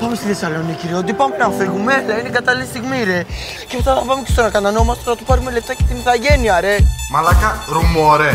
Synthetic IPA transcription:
pɐmest̪iθesɐlo̞niciɾiot̪̬ipɐmenɐfeɣumelɐineɡɐt̪ɐliest̪iɣmiɾe | cepet̪ɐθɐpɐmecest̪onɐkɐt̪ɐno̞umɐst̪enɐt̪upɐɾume̞left̪ɐcet̪imiθɐʝe̞niɐɾemɐlɐkɐɾumoɾe

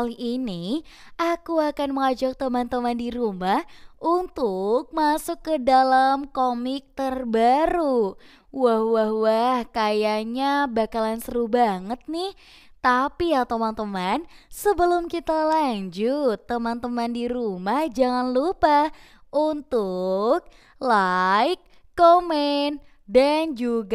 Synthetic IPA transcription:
alini | ʔakuakanməŋad͡ʒak̚t̪əmant̪əmandiɾumahʔunt̪ʊk̚masʊkːədalamkomɪk̚t̪ərbaɾu | wahwahwahkajaɲabakalansəɾubaŋət̪̚nɪh | t̪apiat̪əmant̪əmansəbəlʊmkit̪alaɲd͡ʒʊt̪ːəmant̪əmandiɾumahd͡ʒaŋanlupah | ʔunt̪ʊk̚ | laɪkː | omɛn | dand͡ʒuɡa

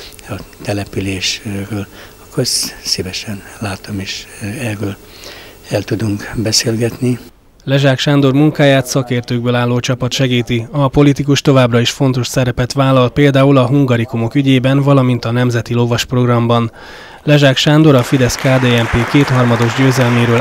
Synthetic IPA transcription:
ɒt̪ɛlɛpyleːʃrøːl | ɒkʰossivɛʃɛnlaːt̪omeːʃɛrøːl | ɛlt̪ud̪uŋkbɛseːlɡɛt̪ni | lɛʒaːkʃaːnd̪o̞rmuŋkaːjaːt̪sɒkeːrt̪øːɡ̚bøːlaːlːoːt͡ʃɒpɒt̪ʃɛɡiːt̪iɒpo̞lit̪ikuʃt̪o̞vaːbrɒiʃfo̞n̪t̪o̞ʃsɛɾɛpɛt̪ʋaːlːɒlpeːld̪aːulɒɦuŋɡɒɾikumo̞kyɟeːbɛnvɒlɒmint̪ɒnɛmzɛt̪ilo̞vɒʃpro̞ɡrɒmbɒn | lɛʒaːkʃaːnd̪o̞ɾɒfid̪ɛskaːd̪eːɛmpeːkeːt̪hɒrmɒd̪o̞ʒɟøːzɛlmeːɾøːl

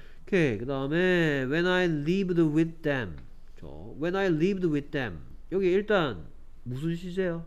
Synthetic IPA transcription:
kʰekɯdaɯmewɛ̃najlivdəwɪd̚ːɛ̃m | t͡ɕʰo̰ | wɛ̃najlivdwɪd̪̚ːɛ̰̃m | jokʰeiɭt͈an | mus̬ʰunɕʰizejo

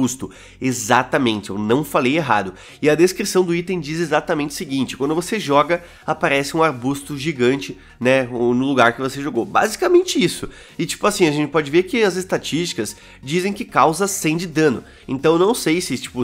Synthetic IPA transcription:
ust̪ʊ | ezat̪amẽnt͡ʃɪewnɐ̃w̃falejeɦa̰d̪ʊ | ɪɐd̪eskɾisɐ̃w̃d̪ʊit̪ẽj̃d͡ʒizezat̪ɐmẽnt͡ʃɪʊsɪɡĩnt͡ʃɪ̥kwɐ̃nd̪ʊvoseʒɔɡɐ | apaɾɛsɪũaɾbust̪ʊʒiɡɐ̃nt͡ʃɪ | nɛonʊluɡaɾkɪvoseʒoɡoba̰zikamẽnt͡ʃɪisʊ | ɪt͡ʃi̥pʊasĩɐʒẽnt͡ʃɪpɔd͡ʒɪveɾkɪɐzɪst̪at͡ʃist͡ʃi̥kɐs | d͡ʒizẽj̃kɪkawzɐsẽd͡ʒɪd̪ɐ̃nʊ̰ | ḛ̃nt̪ɐ̃w̃ewnɐ̃w̃sejsɪt͡ʃi̥pʊ

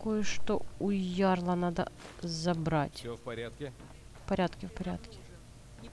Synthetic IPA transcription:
kojəʂt̪oʊjarlˠɐnad̪ə̰zɐbɾat̪ʲk | fpɐɾʲat̪kʲɪfpɐɾʲa̰t̪kʲɪ̥

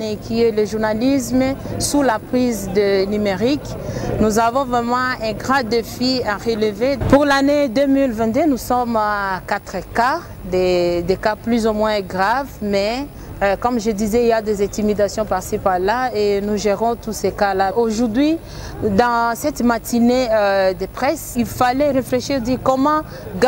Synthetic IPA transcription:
ɛkʲiɛləʒuʁnalismsulapχizd̪ənymeʁik | nuzavɔ̃vʁɛmɑ̃ɛ̃ɡʁãd̪efiaʁeləvepuʁlaned̪ømilvɛ̃t̪̚d̪ønusɔmkat̪χəka | d̪ed̪ekaplyzomwɛ̃ɡʁavmɛ | kɔmʒəd̪izɛiljad̪ezɛ̃t̪imid̪asjɔ̃pɛʁsipalːaenuʒeʁɔ̃t̪usekalaʔoʒuʁd̪ɥi | d̪ɑ̃sɛt̪mat̪ineød̪əpχɛsilfalɛʁefleʃiʁd̪iʁkɔmɑ̃ | ɡ

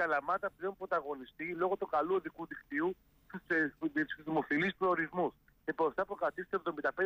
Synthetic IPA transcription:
kɐlɐmɐt̪ɐpðeumpɾo̞t̪ɐɣo̞nist̪ilo̞ɣot̪ukɐluɐðikuðikt̪iu | t̪s | izðimofilispɾooɾizmus | epost̪ɐpɾokɐt̪ist̪e̞vðo̞mind̪ɐpe

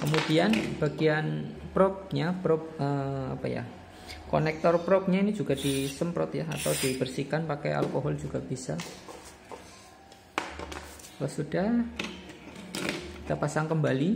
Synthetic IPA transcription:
kəmud̥ianb̥aɡianpɾɔp̚ɲapɾɔp̚əa̰pa̰ja̰ | ko̰nɛk̚t̪ɔrpɾɔp̚ɲainid͡ʒuɡad̥isəmpɾɔ̰t̪jaa̰t̪awd̥ibərsikanpakɛ̰ja̰lkoɦɔld͡ʒuɡ̥ab̥isa | lɔsudah | kit̪apasaŋkəmbali

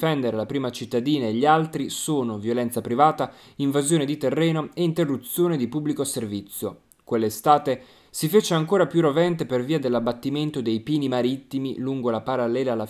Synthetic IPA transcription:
fɛnd̪eɾelapɾiːmat͡ʃit̪ːad̪iːnaeʎːialt̪ɾisoːnovjolɛnt̪sapɾivaːt̪aiɱvazjoːned̪it̪erːɛːnoeint̪erːut̪sːjoːned̪ipubːlikoservit̪sːjo | kwelːest̪aːt̪e | sifeːt͡ʃeaŋkoːɾapjurovɛnt̪eperviːad̪elːabːat̪ːiment̪od̪ejpiːnimaɾit̪ːimḭluŋɡolapaɾalːɛːlala

